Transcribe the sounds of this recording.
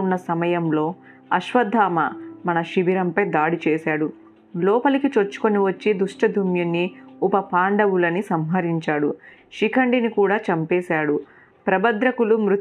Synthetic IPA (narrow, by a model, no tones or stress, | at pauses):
unːɐsɐmɐjɐmlo̞ː | ɐʃʋɐd̪ʱːaːmɐmɐnɐʃibiɾɐmpɐjd̪aːɽit͡ʃɛːʃaːɽu | lɔːpɐlikit͡ʃot͡ʃːu̥ko̞niʋɐt͡ʃːid̪uʂʈɐd̪ʱumjunːiupɐpaːɳɖɐwulɐnisɐmɦɐɾiɲt͡ʃaːɽṵ | ʃikɐɳɖinikuːɽaːt͡ʃɐmpɛːsaːɽu | pɾɐbɐd̪ɾɐkulumɾu